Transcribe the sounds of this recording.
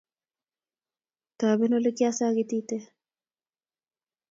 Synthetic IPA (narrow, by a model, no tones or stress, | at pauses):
t̪aːbenolekiasaːɡit̪iːt̪e